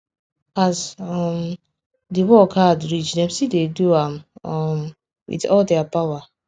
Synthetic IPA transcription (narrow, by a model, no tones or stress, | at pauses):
azɔm | diwɔkʰadɹid͡ʒnɛ̃msideduamɔm | wḭtɔldɛapawa